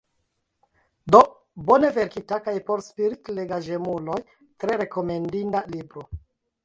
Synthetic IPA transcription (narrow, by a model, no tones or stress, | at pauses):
do̞ | bo̞ne̞ve̞ɾkitakajpo̞ɾspiɾitleɡaʒe̞mulo̞j | tɾe̞ɾe̞ko̞me̞ndindalibɾo